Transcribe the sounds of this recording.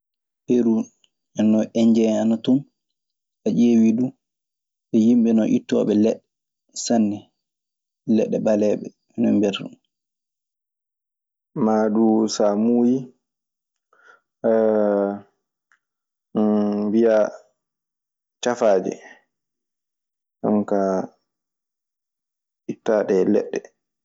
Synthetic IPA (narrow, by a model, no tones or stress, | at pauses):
heɾu | ɛnːɔʔɛɲd͡ʒɛanatɔn | ʔad͡ʒeːwidu | ɓɛjimɓɛnɔʔitːɔ̰ɓɛlɛɗːɛ | sanːɛ | lɛɗːɛbalɛɓɛ | ɛnɔ̰mbɛɾdṵn | maɗusamuːji | wija | t͡ʃafaːd͡ʒɛ̰ | ʔa̰ŋka | itːaːɗɛlɛ̰ɗːɛ